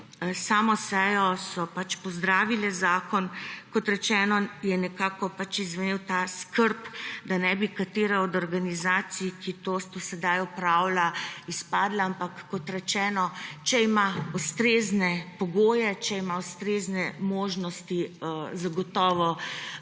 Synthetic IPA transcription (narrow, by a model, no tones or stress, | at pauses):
saːmɔsɛjɔsɔpat͡ʃpɔzd̪ɾaːʋilɛzaːkɔnkɔt̪ɾɛt͡ʃɛːnɔjɛnɛkakɔpat͡ʃizʋɛnewt̪askəɾpd̪anɛbikat̪eɾɛɔd̪ɔɾɡanizaːt̪sijkʰit̪osd̪osɛd̪ajɔpɾaːwlaispaːd̪laampakːɔt̪ɾɛt͡ʃɛːnɔt͡ʃɛimaust̪ɾeznɛpɔɡoːjɛt͡ʃɛimaust̪ɾeːznɛmoːʒnɔst̪izaɡɔt̪ɔːʋɔ